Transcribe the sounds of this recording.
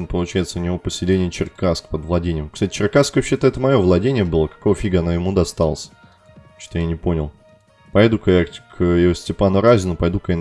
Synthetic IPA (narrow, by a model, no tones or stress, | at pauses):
npəlˠʊt͡ɕæjɪt̪səʊnʲɪvopəsʲɪlʲenʲɪjət͡ɕɪrkaskpəd̪vlˠɐdʲenʲɪjəmkst̪atʲɪ̥t͡ɕɪrkaskvɐpɕːet̪əɛt̪əmɐjo̞vlˠɐdʲenʲɪjəbɨlˠəkɐ̥ko̞vəfʲiɡəɐnojɪmud̪ɐst̪alˠəsʲ | t͡ɕt̪ojanʲɪpo̞nʲɪlˠ | pɐjd̪ukɐjakʲkjɪosʲtʲɪpanʊɾazʲɪnʊpɐjd̪ukən